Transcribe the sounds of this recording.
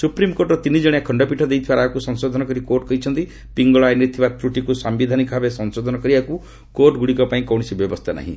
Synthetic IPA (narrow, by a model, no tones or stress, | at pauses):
supɾimkoɾʈɔt̪inid͡ʒɔɽ̃eakʰɔɳɖɔpiʈʰɔd̪ejt̪ʰibaɾaakusɔnsod̪ʱɔnɔkɔɾikoɾʈ̚kɔɦjt͡ʃʰɔnt̪i | piŋɡɔɭaenɾit̪ʰibat̪ɾuʈikusambid̪ʱanikɔbʱabesɔnsod̪ʱɔnɔkɔɾibaku | koɾʈɡuɽikɔpaĩkɔwɽ̃isibjɔbɔst̪ʰana̰ɦḭ̃